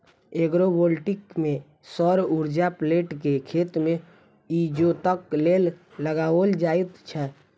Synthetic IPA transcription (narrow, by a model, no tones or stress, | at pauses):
eɡɾobolʈɪkmẽ | sɔɾuɾd͡ʒapleːʈkekʰeːt̪mẽ | id͡ʒot̪əkleːlː | əɡaːold͡ʒaːjt̪t͡ʃʰɛ